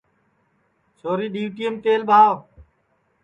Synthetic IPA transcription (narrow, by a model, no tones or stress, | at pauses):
soːɾiːɗiːʋʈiːəmt̪eːlbʱaːʋ